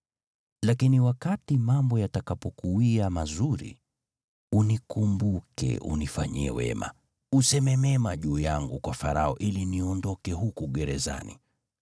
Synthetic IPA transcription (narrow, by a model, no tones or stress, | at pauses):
lakiniwakatimambɔjatakapɔkuwiamazuɾḭ | unikumbukɛ̰ʔṵnifa̰ɲiɛ̰wɛ̰ma̰ | usɛmɛmɛmaʄuːjaŋɡukwafaɾaɔʔiliniɔndɔkɛhukuɡɛɾɛza̰nḭ